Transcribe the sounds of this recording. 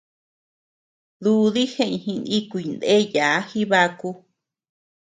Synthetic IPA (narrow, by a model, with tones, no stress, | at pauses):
ðu˧ði˦hẽ˦ʔĩ˧hĩ˧nĩ˦kʷi˧˨˧nd̪e˦jaː˨˦hi˦βa˧ku˧